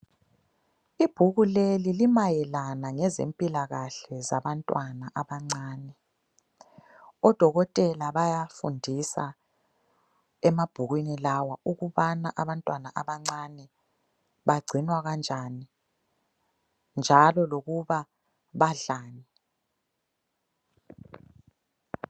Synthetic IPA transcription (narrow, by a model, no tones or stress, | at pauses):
ib̥ʱuɣulelilimajɛlanaŋɛzḛmpʼilaɣaɬɛza̰βantʼwanaʔaβaŋ͡ǀaːnɛ | ɔd̥ʱɔɣɔtʼɛlaβajafṵndʱisa̰ | ɛmab̥ʱuɣwinilawauɣuβanaʔaβantʼwanaʔaβaŋ͡ǀanɛ | βaɡ͡ǀʱinwaɣand͡ʒʱani | nd͡ʒʱalɔloɣuβa | βaɮaːni